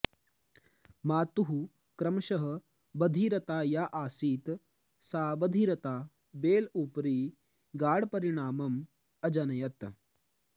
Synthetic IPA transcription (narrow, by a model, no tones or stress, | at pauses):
maːt̪uɦu | kɾɐmɐʃɐɦɐ̆ | bɐd̪ʱiːɾɐt̪aːjaːʔaːsiːt̪ | saːbɐd̪ʱiɾɐt̪aː | beːluːpɾiː | ɡaːɽpɐɾiɳaːmɐm | ɐd͡ʒɐnɐjɐt̪